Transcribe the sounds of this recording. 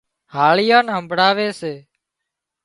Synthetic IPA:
haːɭɪjãːnɦəmbɽaːʋeːseː

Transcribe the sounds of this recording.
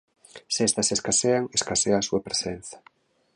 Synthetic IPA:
sest̪ɐseskaseaŋeskaseaːsuɐpɾesen̟θɐ̥

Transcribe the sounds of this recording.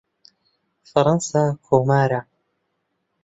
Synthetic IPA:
fɐɾɑnsaːkʰoːmaːɾa

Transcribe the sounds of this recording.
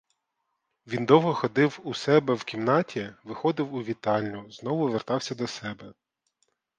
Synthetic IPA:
ʋʲind̪ɔwɦɔxɔd̪ɪwusɛbɛwkʲimnɑtʲiʋɪxɔd̪ɪwʊʋʲit̪ɑlʲnʲʊznɔʋʊʋert̪ɑwsʲɐd̪ɔsɛbɛ

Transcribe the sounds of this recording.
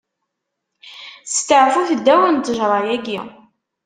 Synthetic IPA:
st̪əʕfuθəd̪ːæwənt̪ːəʒɾˤɑjæɡḭ

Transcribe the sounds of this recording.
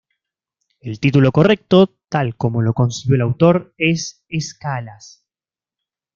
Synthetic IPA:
e̞lt̪it̪ulo̞ko̞re̞k̚t̪o̞t̪alko̞mo̞lo̞ko̞nsiβjoelawt̪o̞ɾes | eskalas

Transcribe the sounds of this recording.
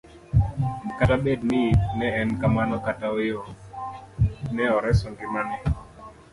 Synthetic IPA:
m̩katabed̚nɪnɛɛnkamanɔkataojo | nɛɔɾɛsɔŋɡimanɛ

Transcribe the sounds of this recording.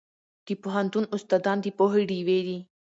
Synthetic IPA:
d̪̥ipoɦɐ̃nt̪unʊst̪aːd̪ɑːnd̪ipoɦiɽiweɾi

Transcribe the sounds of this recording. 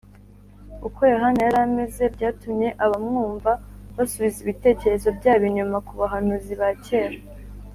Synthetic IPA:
ukojoɦanajaɾame̞ze̞bɟaːtumɲe̞ʔaβamŋuːɱvaβasuβiziβite̞ːce̞ɾe̞zo̞bɟaːβiɲumakuβaɦanuziβace̞ːɾa

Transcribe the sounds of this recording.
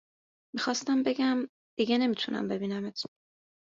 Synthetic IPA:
mixɒːst̪æmbe̞ɡæm | d̪̥iɡene̞mit̪ʰunʔæ̰mbe̞biːnæmet̪ʰ

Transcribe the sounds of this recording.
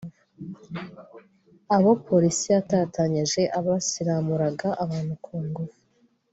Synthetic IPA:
aβo̞pʰo̞ɾisiatataɲiʒe̞ʔaβasiɾamuɾaɡaʔaβaːn̥hukʰuːŋɡufu

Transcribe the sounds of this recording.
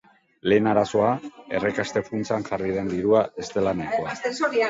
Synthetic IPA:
le̞ːnaɾaso̞ae̞rekast̪e̞funt͡saŋʝarið̞e̞nd̪iɾuae̞st̪e̞lanekoaesoɾia

